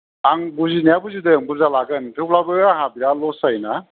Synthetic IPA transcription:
aŋbuzinjabuzidɯŋbuzalaɡɯntʰɯplabɯaɦabiɾalɔsajna

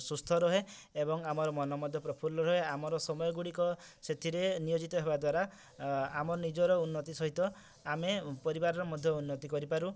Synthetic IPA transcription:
sust̪ʰɔɾɔɦeebɔŋamɔɾɔmɔnɔmɔd̪ʱjɔpɾɔpʰulɔɾɔɦeamɔɾɔsɔmɔjɔɡuɽikɔset̪ʰiɾenijod͡ʒit̪ɔɦebad̪waɾa | amɔɾɔnid͡ʒɔɾɔunːɔt̪isɔɦit̪ɔ | amepɔɾibaɾɔɾɔmɔd̪ʱjɔunːɔt̪ikɔɾipaɾu

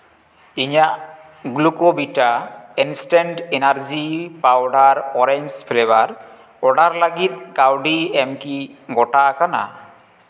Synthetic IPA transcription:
iɲaʔ | ɡulukobiʈaɛnsʈeɳʈenaɾd͡ʒipawɖaɾɔɾeɲd͡ʒpʰleβaɾ | ɔɖaɾlaɡit̪̚kawɖiɛmkiɡɔʈakana̰

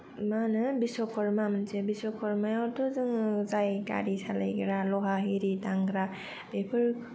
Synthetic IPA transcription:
manɯbisɔkʰɔɾmamɯnsebisɔkʰɔɾmajaɾtɔzɯŋzajka̰ɾisala̰jɡɾalɔɦaɦiɾitaŋɡɾa | b̥epʰɯɾ

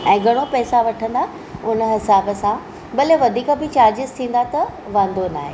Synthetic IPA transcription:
ɛ̃ːɡʱɐɽ̃opɛːsaʋɐʈʰə̃nd̪a | ʊnəɦɪsaːbəsã | bɐleʋɐd̪ʱiːkəbʱɪt͡ɕaːɾd͡ʑɪzt̪ʰĩːn̆d̪at̪ɐ | ʋɐ̃nd̪ʱona̰ːɦeː

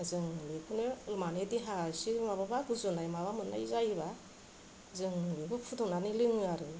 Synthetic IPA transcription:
zɯŋlikʰunɯlmanediɦasimaβabaɡuzunajmaβamɯnːa̰izajβa | zɯŋlibɯpʰutʰɔnanilɯŋɯaɾɯ

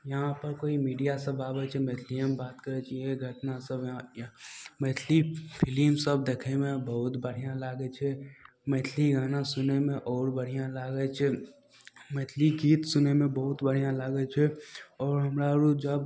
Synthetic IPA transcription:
jəɦãpəɾkoːimiːɖijasəbaːbet͡ʃʰɛmet̪ʰliəmbaːt̪kəɾet͡ʃaieɡʱəʈnasəb | mɛːt̪ʰlipʰɪlimsəb̚d̪eːkʰemẽbəɦʊt̪bəɽ̤ijãlaːɡet͡ʃʰɛ | mɛt̪ʰliɡaːnasʊnemẽʔɔːɾbəɽ̤ijãlaːɡet͡ʃʰɛ | mɛːt̪ʰliɡiːt̪sʊnemẽbɔɦʊt̪bəɽ̤ijãlaːɡet͡ʃʰɛɔːɾɦəmɾaɾud͡ʒəb

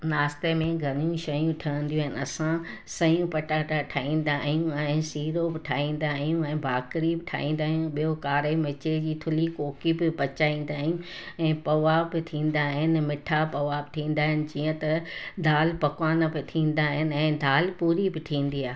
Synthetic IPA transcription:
naːst̪emẽɡʱɐnjũʃɐjũʈʰɐə̃n̆d̪ijũɦɪnɐsã | sɐjũpɐʈaːʈaʈʰaːĩːn̆d̪aɦjũɛ̃ːsiːɾobɪʈʰaːĩːn̆d̪aːɦijũɛ̃ːbʱaːkɾibɪʈʰa̰ːĩːn̆d̪aːɦjũɓijokaːɾemɪt͡ɕed͡ʑiːt̪ʰʊlikoːkibɪbɐt͡ɕaːĩːn̆d̪aːɦijũɛ̃ːpɐʋaːbɪt̪ʰĩːn̆d̪aːɦɪnɪmɪʈʰapɐʋaːbɪʈʰĩːnd̪aːɦɪnɪ̆d͡ʑiːə̃t̪ɐd̪ʱaːlpɐkʋaːnəbɪt̪ʰĩːn̆d̪aɦɪnɪ̆ɛ̃ːd̪ʱaːlpuːɾibɪʈʰĩːn̆d̪iaːɦe

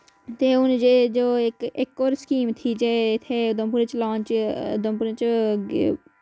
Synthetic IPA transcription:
t̪eʊnd͡ʒed͡ʒoːekekːoːɾskiːmt̪ʰid͡ʒeɪt̪ʰeʊd̪əmpuɾet͡ʃlãːnt͡ʃʊd̪əmpuɾet͡ʃ

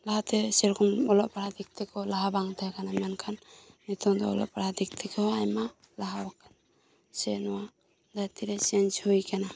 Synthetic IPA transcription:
laat̪ɛsɛɾkɔnɔlɔʔ̚paɽad̪ik̚t̪ɛkɔlaɦabaŋt̪ʰakanamankʰanːit̪ʰɔŋd̪ɔːlɔ̰ʔpaɽad̪ik̚t̪ikɔɦɔajma | laɦawakan | sɛnɔwa | d̪at̪iɾɛt͡ʃɛnt͡ʃhujkana

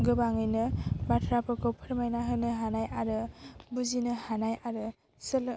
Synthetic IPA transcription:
ɡɯbaŋɯjnɯbatʰɾapʰɯkʰopʰɯɾmajnaɦɯnɯɦanajaɾɯbuzinɯhanajaɾɯ | sɯl

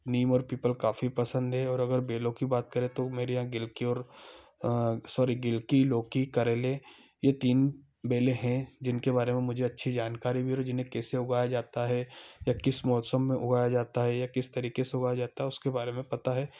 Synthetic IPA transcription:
niːmɔːɾpiːpəlkaːfipɐsə̃nd̪ɦɛɔːɾɐɡəɾbeːlõkibaːt̪̚kɐɾẽt̪omeːɾejãɡɪlkiɔːɾ | sɔːɾiɡɪlkiloːkikɐɾeleː | jet̪iːn | beːlẽɦɛ̃d͡ʒɪnkebaːɾemẽmʊd͡ʒʱeɐtːʃʰid͡ʒaːnkaːɾibʱiɔd͡ʒɪnɦẽkɛːseʊɡaːjad͡ʒaːt̪aɦɛjakɪsmɔːsəmːẽʔʊɡaːjad͡ʒaːt̪aɦɛjakɪst̪ɐɾiːkeseʊɡaːjad͡ʒaːt̪aɦɛʊskebaːɾemẽpɐt̪aɦɛː

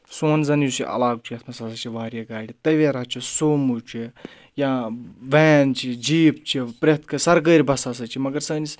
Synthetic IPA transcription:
soːnzɐnjusḭʔɐ̰laːɡut͡ʃʰiɐt̪ʰmɐsasɐt͡ʃʰiʋaːɾʲjaɡaːɽʲit̪ɐʋeɾaːt͡ʃʰisoːmut͡ʃʰi | jaːʋɛːnt͡ʃʰid͡ʒiːp̚t͡ʃʰipɾet̪ʰkɐsɐɾɡəːɾʲbɐsaːsɐt͡ʃʰimɐɡɐɾsəːnis

